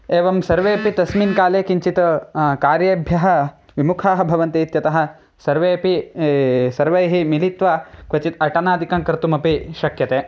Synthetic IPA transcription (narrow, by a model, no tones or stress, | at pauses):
eːʋɐmsɐɾʋeːpit̪ɐsminkaːleːkiɲt͡ʃit̪ɐkaːɾjɐbʱjɐɦɐ̆ | ʋimukʰaːɦɐ̆bʱɐʋɐnt̪iːt̪jɐt̪ɐɦɐ̆ | sɐɾʋeːpi | sɐɾʋɐjɦimilit̪ʋɐkʋɐt͡ʃit̪ɐʈɐnaːd̪ikɐŋkɾt̪umɐpiʃɐkʰjɐt̪eː